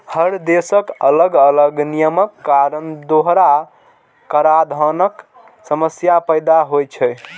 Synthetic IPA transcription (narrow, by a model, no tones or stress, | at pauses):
həɾd̪esəkələɡələɡnijəməkːaɾənd̪oɦɾa | kəɾad̪ʱənək | səməsjapəɪd̪aɦojt͡ʃʰɛ